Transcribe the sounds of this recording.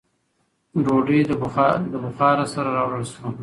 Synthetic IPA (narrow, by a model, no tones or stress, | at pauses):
ɾoɖed̪əbd̪əbʊxɑɾasaɾaɾɑwɽəlʃo